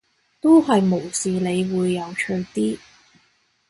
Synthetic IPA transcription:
t̪o˥whɐ˨jmo˨˩wsiː˨le˨˧jwuː˨˧jːɐ˨˧wt͡ʃʰɵ˧ɥt̪iː˥

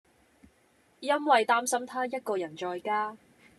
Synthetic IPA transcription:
jɐ˥nwɐ˨jt̪aː˥msɐ˥mt̪ʰaː˥jɐ˥t̚kɔː˧jɐ˨˩nt͡ʃɔː˧jkaː˥

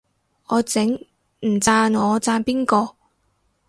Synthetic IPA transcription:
ɔː˨˧t͡sɪ˨˥ŋ | m̩˨˩t͡saː˧nŋɔː˨˧t͡saː˧npiː˥nkɔː˧

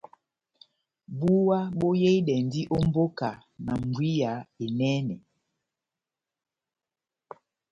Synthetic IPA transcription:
bu˦wa˦bo˦je˦i˦dɛ˨n˨di˦ʔo˦m˦bo˦ka˨ | na˨ŋ˨ɡwi˦ja˨˦e˨nɛ˦nɛ˨

